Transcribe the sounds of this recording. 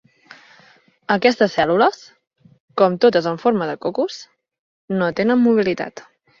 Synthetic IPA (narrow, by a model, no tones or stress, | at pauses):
əkɛst̪əsɛluləs | kɔmt̪ot̪əzəɱfoɾməðəkokus | not̪enənmuβ̞ilit̪a̰t̪